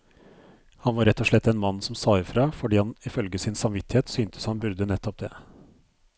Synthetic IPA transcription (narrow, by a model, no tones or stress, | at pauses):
hɑnʋɑːɾɛt̪ːɔʂɭɛt̪ːɛnmɑnːsɔmsɑːɪfɾɑːfɔɖiːhɑnɪfœlɡəsɪnsɑmʋɪt̪ːɪheːt̪syːnt̪ʰə̥shɑnbʉɾd̪ənɛt̪ʰːɔp̚d̪ḛː